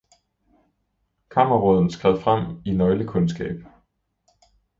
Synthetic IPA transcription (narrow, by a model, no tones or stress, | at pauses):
kʰɑ̈mɐʁɔð̞̰ˠn̩sɡ̥ʁɛð̰ˠfʁam̰inɒ̽ɪləkʰɔ̽nsɡ̥ɛ̰ːb̥